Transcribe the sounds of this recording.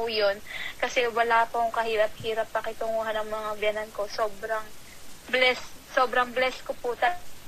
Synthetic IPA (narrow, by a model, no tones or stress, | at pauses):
ʊjonkɐsɛwɐlaːpɐʊŋkɐhiːɾɐp̚hiːɾɐp̚pɐkɪt̪oŋuɦanɐŋmɐŋabjɐnɐnko̞so̞ːbɾɐŋblɛsso̞ːbɾɐŋblɛskopʊt̪ɐ